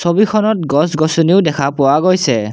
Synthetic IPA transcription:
sobikʰɔnɔtɡɔsɡɔsuniʊdɛkʰapʊwaɡojsɛ

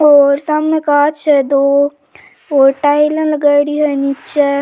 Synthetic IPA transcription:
ɔːɾsamnekaːt͡ʃʰɛd̪o | oʈailə̃ləɡaːɽiɦɛnit͡ʃʰɛ

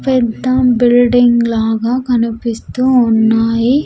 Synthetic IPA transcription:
pɛd̪ːɐbilɖiŋɡlaːɡaːkɐnipist̪uːunːaːji

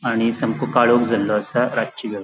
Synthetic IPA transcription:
aɽ̃isəmkukaɭokd͡zʱalːɔəsaɾat͡ʃiɡe

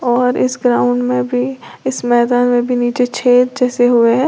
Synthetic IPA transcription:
ɔːɾɪ̰sɡɾaːʊ̃ɳɖmẽbʱiɪsmɛːd̪aːnmẽbʱiniːt͡ʃet͡ʃʰeːt̪̚d͡ʒɛːseɦʊeɦɛː

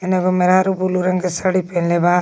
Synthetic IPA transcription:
eneɡomeɾaɾubuluɾɐŋkesaɽipenleba

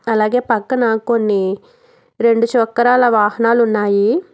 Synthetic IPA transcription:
ɐlaːɡe̞ːpɐkːɐnaːkonːi | ɾe̞ɳɖuʃɔkːɐɾaːlɐʋaːɦɐnaːlunːaːji

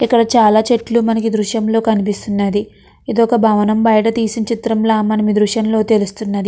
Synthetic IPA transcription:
ikːɐɽɐt͡ʃaːlaːt͡ʃe̞ʈlumɐnɐkid̪ɾuʃjɐmlo̞ːkɐnipist̪unːɐd̪i | id̪ɔkɐbʱɐːʋɐnɐmbɐjɐʈ̬ɐt̪iːsint͡ʃit̪ɾɐmlaːmɐnɐmid̪ɾuʂjɐmlo̞ːt̪e̞lust̪unːɐd̪i

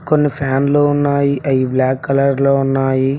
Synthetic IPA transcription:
konːipʰaːnloːunːaːjiʔɐjiblaːkːɐlɐɾloːunːaːji

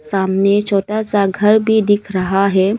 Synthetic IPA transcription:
saːmnet͡ʃʰoːʈasaɡʱɐɾbʱid̪ɪkʰɾɐɦaɦɛː

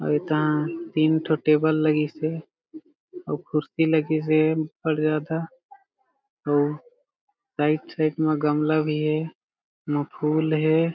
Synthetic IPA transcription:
ɔ̰ːet̪ɐɦãt̪iːnʈʰoʈeːbəlːəɡise | ɔːkʰʊɾsiləɡis̬ebəɽzjaːd̪a | ɔː | saːɪʈsaːɪʈmẽɡəmlabʱiɦɛ | məpʰuːlɦɛ

